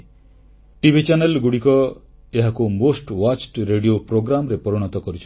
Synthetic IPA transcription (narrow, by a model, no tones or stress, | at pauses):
ʈibʱit͡ʃanelɡuɽikɔ | eɦakumosʈwat͡ʃʈɾeɖiopɾoɡɾamɾepɔɾɔɽ̃ɔt̪ɔkɔɾit͡ʃʰ